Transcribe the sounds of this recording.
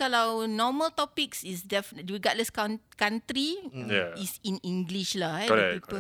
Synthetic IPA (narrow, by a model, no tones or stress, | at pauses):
kalawnɔməlt̪ɔpiksisdɛfwiɡɔʔ̚ləskankãntɾijaisĩnĩŋɡliʃlaɛpipə